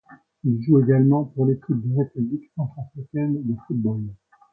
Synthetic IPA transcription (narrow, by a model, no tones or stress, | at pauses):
ilʒueɡalmɑ̃puʁlekʲʰip̚d̪eʁepybliksɑ̃t̪χafχikʲɛnd̪əfud̪̚bol